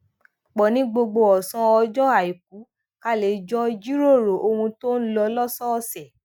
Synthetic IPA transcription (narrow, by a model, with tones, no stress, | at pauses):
k͡pɔ˨nĩ˦ɡ͡bo˧ɡ͡bo˧ɔ˨sɔ̃˧ɔ˧d͡ʒɔ˦a˨i˨k̚u˨˦ | ka˦le˨˧˨d͡ʒɔ˦d͡ʒi˦ɾo˦˨ɾo˨ʔo˧hũ˧to˦n̩˦lɔ˧lɔ˦sɔ˦˨sɛ˨